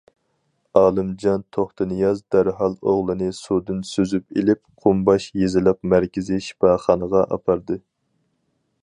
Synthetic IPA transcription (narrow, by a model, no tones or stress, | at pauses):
ɑːlˠɨmd͡ʒɑnt̪ʰoχt̪ɨnɨjɑzd̪æɾɦɑlˠoʁlˠɨnɨsud̪ɨnsøzypelɪp̚qʰʊmbɑʃjezɪlɛpmæɾkʲɪzɪʃi̥pɑχɑnəʁɑʔɑ̰pʰɑɾd̪ɨ